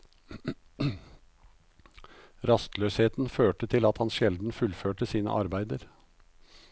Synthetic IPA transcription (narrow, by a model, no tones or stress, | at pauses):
ɾɑst̪løːsheːt̪n̩føːʈət̪ʰɪlɑt̪hɑnʃɛld̪n̩fʉlføːʈəsiːnə̰ʔɑ̰ɾbæɪd̪əɾ